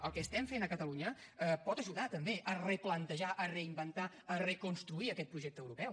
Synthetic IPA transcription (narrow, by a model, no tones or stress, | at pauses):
əlˠkəst̪ɛmfenəkət̪əluɲə | əpɔt̪əʒuðat̪əmbeʔərəplənt̪əʒaʔərəimbənt̪a | ərəkunst̪ɾuiəkɛt̪̚pɾuʒɛk̚t̪əwɾupɛw